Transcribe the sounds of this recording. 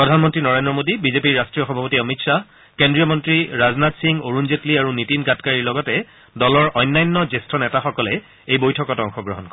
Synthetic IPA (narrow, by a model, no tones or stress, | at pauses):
pɹɔdʱanmɔntɹinɔɹendɹɔmodibizepiɹastɹijɔxɔbʱapɔtiɔmitsa | kendɹijɔmɔntɹiɹaznatsiŋoɹunzetliaɹunitinɡatkaɹiɹlɔɡɔtɛ | dɔlɔɹʔɔjnːajnːɔzestɹɔnɛtaxɔkɔlɛ | ejbojtʰɔkɔtɔŋxɔɡɹɔɦɔnkɔ